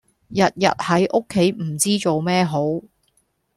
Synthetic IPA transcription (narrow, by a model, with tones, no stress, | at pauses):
jɐ˨t̚jɐ̰˨t̚hɐ˨˥jʔo˥kʰːe˨˥jm̩˨˩t͡siː˥t͡so˨wmɛː˥ɦo˨˥w